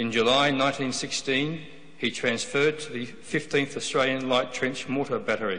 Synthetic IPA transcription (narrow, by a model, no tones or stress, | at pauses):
ɨ̃nd͡ʒɨlaɪnãɪ̃ntĩnsɪkstĩn | itʰɹ̥æ̃nsfɜ˞d̚tʰəðɨ | fɪftĩnθəstɹ̥eɪlˠjɨ̃nlaɪtʰɹ̥ɛ̃nt͡ʃmɔˑɾə˞bæɾə˞i